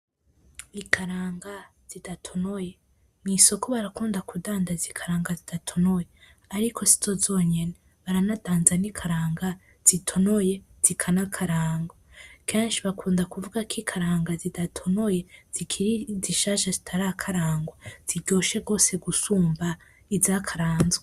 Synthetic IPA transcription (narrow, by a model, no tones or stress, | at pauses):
ikʰaɾaːŋɡa | z̥idatʰo̞noje̞ | niso̞ko̞βaɾakuːndakudaːndazikʰaɾaːŋɡazid̥atʰo̞noje | aɾikʰo̞si̥z̥ozo̞ːɲe̞ne | βaɾanadaːnzanikʰaɾaːŋɡa | z̥itʰo̞noje̞z̥ikʰanakʰaɾaːŋɡwakʰeːnʃiβakʰuːndakuvuɡakʰikʰaɾaːŋɡazidatʰo̞no̞je̞z̥ikʰiɾiziʃaːʃazitʰaɾakʰaɾaːŋɡwaz̥iɟo̞ːʃe̞ɡo̞ːse̞ɡusuːmba | izakʰaɾaːnzwe